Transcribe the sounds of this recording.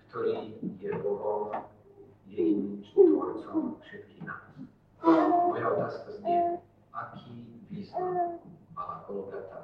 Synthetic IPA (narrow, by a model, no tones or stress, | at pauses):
kt̪ɔɾiːjɛɔɦɔl | jɛinimt͡ʃ̪it̪ʋɔɾt͡sɔmfʃɛt̪kiːɣna̰ːs | amɔjaɔt̪aːskazɲɛ | akʰiːviːzɔ | aakɔlɔbɪat̪ːa